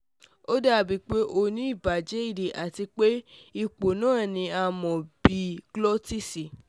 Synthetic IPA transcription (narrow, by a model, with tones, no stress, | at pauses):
o˦da˦˨bi˨˦k͡pe˦ʔo˧nĩ˦i˦˨ba˨d͡ʒe˦i˦˨de˨ʔa˨ti˧k͡pe˦i˧k͡po˨nãː˦˨nĩ˧a˧mɔ̃˨bi˨ɡlɔ˦ti˦si˨